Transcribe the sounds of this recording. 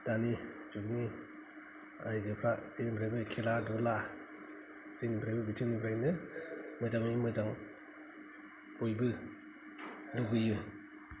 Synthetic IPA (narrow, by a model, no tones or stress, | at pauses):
d̥anid͡ʒuk̚ni | ajzɯpʰɾazinbʰɾajbɯkʰeladula | zinbʰɾajbɯbitʰɯŋnibɾajnɯmɯzaŋnimɯzaŋ | bojbɯ | luɡɯjɯ